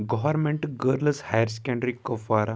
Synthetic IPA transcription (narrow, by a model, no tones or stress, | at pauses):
ɡɔʋəɾmẽɳʈɡəɾləshajəɾskɛ̃ɳɖɾikəfaɾa